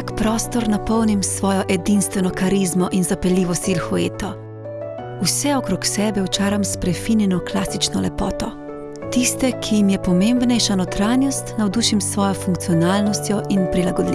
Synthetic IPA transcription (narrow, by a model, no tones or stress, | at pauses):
akpɾɔːst̪ɔɾnapɔwnimsʋɔːjɔʔɛd̪inst̪ʋɛnɔkaɾizmɔʔinzapɛliːʋɔst̪ilxɔḛːt̪ɔ | usɛɔkɾoksɛːbɛwt͡ʃaːɾamspɾɛfinjɛnɔklasit͡ʃnɔlɛpɔːt̪ɔ | t̪ist̪ɛkʰijimjɛpɔmeːmbnɛjʃanɔt̪ɾaːnjɔst̪nawd̪uːʃimsʋɔːjɔfuŋk̚t̪sijɔnaːlnɔst̪jɔʔinpɾilaɡɔd̪li